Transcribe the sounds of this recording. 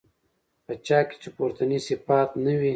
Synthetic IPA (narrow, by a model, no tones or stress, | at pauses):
pət͡ʃɑːke̥t͡ʃepuɾt̪anisɪfat̪nəwi